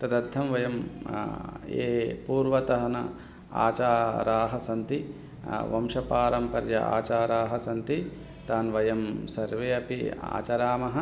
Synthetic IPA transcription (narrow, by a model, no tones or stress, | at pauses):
t̪ɐd̪ɐd̪ʱːɐmʋɐjɐm | eːpuːɾʋɐt̪ɐɦɐnɐ | a̰ːt͡ʃaːɾaːɦɐsɐnt̪i | ʋɐmʃɐpaːɾɐmpɐɾjɐ̰a̰ːt͡ʃaːɾaːɦɐsɐnt̪i | t̪aːnʋɐjɐmsɐɾʋeːɐpia̰ːt͡ʃɐɾaːmɐɦɐ̆